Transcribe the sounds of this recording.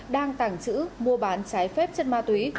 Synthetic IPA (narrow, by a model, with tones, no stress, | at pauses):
ɗaː˧ŋt̪a˧˩ŋt͡ɕɨ̰˧˥mu˧əɓaː˨˦nt͡ɕaː˨˦jfɛ˦˥p̚t͡ɕə˦˥n̚maː˧t̪wi˨˦